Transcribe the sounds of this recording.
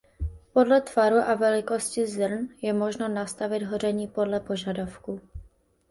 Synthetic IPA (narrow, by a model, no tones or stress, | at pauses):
po̞dlɛt̪vaɾuʔavɛlɪko̞scɪzr̩njɛmo̞ʒno̞nast̪avɪd̪ɦorɛɲiːpo̞dlɛpo̞ʒadafku